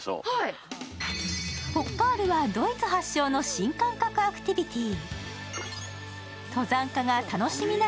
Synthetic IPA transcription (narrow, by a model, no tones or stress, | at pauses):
ho̞kːaːɾɯ̟βad̪o̞it͡sɨɦaɕːo̞ːno̞ɕĩŋkãŋkakɯ̟akɯ̟̥t̪ʲibʲit̪ʲi | t̪o̞zãŋkaɡat̪ano̞ɕimʲina